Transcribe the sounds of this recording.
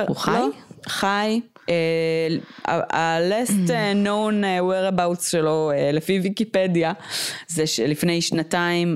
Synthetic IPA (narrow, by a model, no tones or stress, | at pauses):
loχaj | e | a̰alestenoneweʁabawtsʃeloelefivikipedjazeʃelifne̞jʃnataim